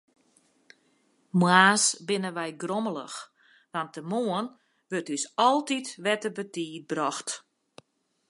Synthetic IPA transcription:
mwaːsbɪnəʋɛjɡromələ̰x | ʋantəmoən | ʋøtysɔlˠtitʋɛtəbətiːt̚brɔxt

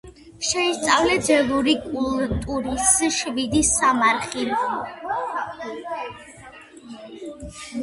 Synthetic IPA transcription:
ʃɛist̪sʼavlɛd̪zɛlˠuɾikʼulˠt̪ʼuɾisʃvid̪isːamaɾχi

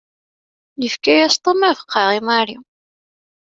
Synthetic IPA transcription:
nəfkæjæst̪ˤəmævə̥qʰːɑʁimæɾi

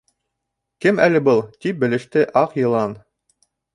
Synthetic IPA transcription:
kɘmælɘ̆bɤlˠt̪ip̚bɘ̆lɘ̆ʃt̪ɘʔɑqjɤ̆lˠɑn

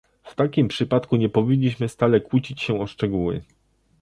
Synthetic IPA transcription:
ft̪akʲimpʂɘpat̪kuɲɛpɔvʲiɲʲːiɕmɘst̪alɛkwut͡ɕit͡ɕɕɛɔʂt͡ʂɛɡuwɘ̰

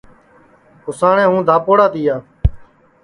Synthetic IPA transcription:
kʊsaːɳẽːɦũːd̪ʱaːpoːɽaːt̪iːjaː

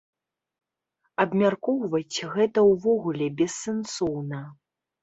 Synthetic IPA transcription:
ɐbmʲarkɔwvɐt͡sʲɣɛt̪ɐwvɔɣulʲɛbʲɛsːɛnsɔwnɐ

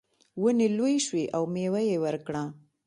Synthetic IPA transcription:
wənelojʃweʔawmewajewəɾkɽa

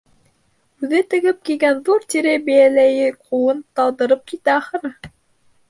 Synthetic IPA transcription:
ʉðɘt̪ɘ̆ɡɘp̚kiɡænðuɾt̪iɾɘbæjælæjɘqʰuwɤnt̪ɑlˠd̪ɤ̆ɾɤp̚kit̪æɑχɤ̆nɤ

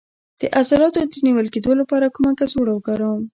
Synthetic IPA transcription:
d̪̥əʔazalɑt̪od̪əniwəlked̪olapɑɾakumakazoɽawɡaɾam

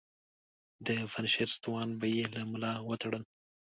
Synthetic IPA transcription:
d̪əfanʃeɾst̪wɑnbajelamʊlɑwət̪aɽəl

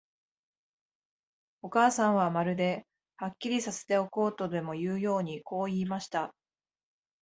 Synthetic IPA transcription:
o̞kaːsãɰ̃β̞amaɾɯ̟d̪e̞ | hakʲːiɾʲisase̞̥t̪e̞o̞ko̞ːt̪o̞d̪e̞mo̞jɯːjo̞ːɲ̟iko̞ːiːmaɕi̥t̪a

